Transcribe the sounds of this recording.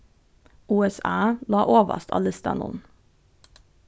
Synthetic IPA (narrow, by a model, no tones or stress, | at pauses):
uːɛsɑːlɑːʔoːʋə̰st̪ɑ̰lɪst̪ɑ̰nʊ̰n